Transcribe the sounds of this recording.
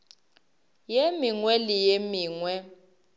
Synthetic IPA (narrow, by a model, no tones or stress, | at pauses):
jemiŋwɛlijemiːŋwɛ